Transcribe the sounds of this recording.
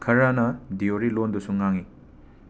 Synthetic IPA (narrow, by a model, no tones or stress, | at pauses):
kʰɐɾanɐdioɾilondusuŋːaŋi